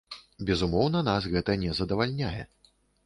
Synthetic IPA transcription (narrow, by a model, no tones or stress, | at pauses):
bʲɛzumɔwnɐnasɣɛt̪ɐnʲɛzɐd̪ɐvalʲnʲajɛ̰